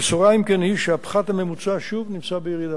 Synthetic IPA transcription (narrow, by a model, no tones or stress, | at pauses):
bet͡suʁaimkenhiʃeapχat̪hamemut͡saʃuvnimt͡sabejiʁid̪a